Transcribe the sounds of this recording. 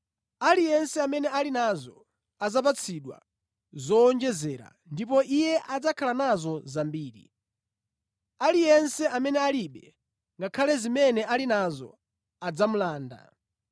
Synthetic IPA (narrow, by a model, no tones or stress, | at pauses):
alijɛnsɛamɛnɛalinazɔ | ad͡zap̬at͡sʰiɗwa̰ | zɔːnd͡ʒɛzɛɾa̰ | ndipɔʔijɛʔad͡zakʰalanazɔzambiːɾḭ | alijɛnsɛʔamɛnɛaliɓɛ | ŋɡakʰalɛzimɛnɛʔalinazɔ̰ | ad͡zamulaːnda̰